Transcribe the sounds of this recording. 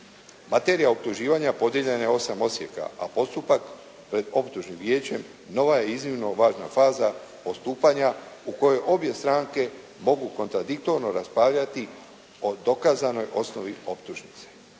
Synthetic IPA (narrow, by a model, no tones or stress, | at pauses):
mat̪e̞ːɾijaop̚t̪uʒiːʋaɲapo̞d̪jeʎe̞najeo̞samo̞sje̞̰ka̰a̰po̞st̪upak | pɾe̞d̪o̞pt̪uʒnimʋje̞ːt͡ɕe̞m | no̞ʋaje̞iznimno̞ʋaːʒna̰faːza | o̞st̪uːpaɲauko̞je̞ʔo̞bje̞st̪ɾaːŋke̞ | mo̞ɡuko̞nt̪ɾad̪ikt̪o̞ɾno̞ɾaspɾaːʋʎat̪i | o̞d̪o̞kaːzano̞jʔo̞sno̞ʋio̞pt̪uʒnit̪se̥